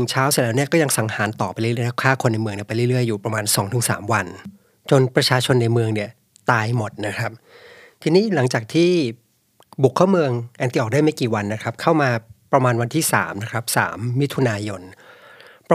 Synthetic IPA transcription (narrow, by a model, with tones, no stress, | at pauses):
nɯ˨˩ŋt͡ɕʰaː˦˥wsi˧˩˦lɛː˦˥wni˥ɐkɔː˥˩ja˧ŋsa˩˦ŋhaː˩˦nt̪ɔː˨˩pa˧jlɯ˥˩˥a˥˩kʰaː˥˩kʰo˧nːa˧jmɯ˧əŋni˥˩pa˧jlɯː˥˩ɾɯ˥˩əjːuː˨˩pɾa˧maː˧nsɔː˩˦ŋt̪ʰɯ˩˦ŋsa̰ː˩˦mwa˧n | t͡ɕo˧npɾa˧t͡ɕʰaː˧t͡ɕʰo˧nːa˧jmɯ˧əŋni˥˩ɐ | t̪aː˧jmo˨˩t̪̚na˦˥kʰɾa˦˥p̚ | t̪ʰiː˧niː˦˥˩la˩˦ŋt͡ɕaː˨˩k̚t̪ʰiː˥˩ | bu˨˩kʰːaː˥˩wmɯ˧əŋʔɛː˧nt̪i˧˩ʔːk̚daː˥˩jma˥˩kiː˨˩wa˧nːa˦˥kʰɾa˦˥p̚kʰa˥˩wmaː˧pɾa˧maː˧nwa˧nt̪ʰiː˥˩sa̰ː˩˦mna˦˥kʰɾa˦˥p̚sa̰ː˩˦mːi˦˥t̪ʰu˧naː˧jo˧n | p